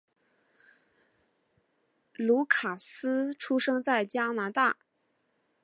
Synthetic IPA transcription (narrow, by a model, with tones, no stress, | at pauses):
lu˧˥kʰa˨˩sɹ̩˥ʈ͡ʂʰu˥ʂɤ˥ŋt͡sa˥˩ɪt͡ɕja˥na˧˥t̪a˥˩